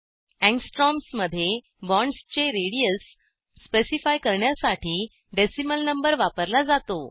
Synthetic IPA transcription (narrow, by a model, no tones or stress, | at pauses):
ɛ̃ŋɡsʈɾɔmsməd̪ʱːje | bɔ̃ɳɖst͡ɕeɾeɽijəsː | pesifajkəɾɳjasaʈʰiː | ɖesiməlnəmbəɾʋapəɾlad͡zat̪o